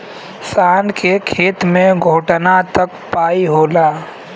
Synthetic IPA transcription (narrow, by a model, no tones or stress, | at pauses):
saːnkʰekʰeːt̪mẽɡʱoːʈnat̪əkpaːiɦoːlaː